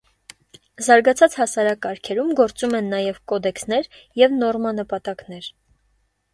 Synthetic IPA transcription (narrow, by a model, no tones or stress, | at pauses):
zɑɾɡɑt͡sʰɑt͡shɑsɑɾɑkːɑɾkʰɛɾumɡɔɾt͡sumɛnːɑjɛvkɔd̪ɛksnɛɾ | jɛvnɔrmɑnəpɑt̪ɑknɛɾ